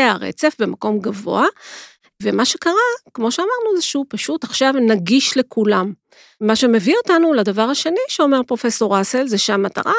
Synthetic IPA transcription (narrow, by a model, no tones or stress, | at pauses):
eaʁḛt͡se̞fbe̞mako̞mɡavo̞̰a | vemaʃe̞kaʁakmo̞ʃeamaʁnuazeʃeupaʃutaχʃavnaɡiʃle̞kʰulam | maʃe̞me̞vio̞tanuladavaʁhaʃe̞niʃeo̞me̞ʁpʁo̞feso̞ʁaselzeʃamːata̰ʁa